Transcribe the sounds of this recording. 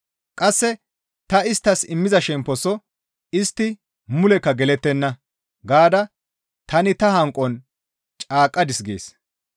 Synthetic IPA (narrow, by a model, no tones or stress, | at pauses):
kʼɐsːɛ | t̪ɐɪst̪ːɐsɪmːɪzɐʃɛmpːɔsɔ | ɪst̪ːɪ | mʊlɛkːɐɡɛlɛt̪ːɛnːɐ | ɡaːd̪ɐ | t̪ɐnɪt̪ɐhɐŋkʼːɔn | t͡ʃʼaːkʼːɐd̪ɪsɡḛːs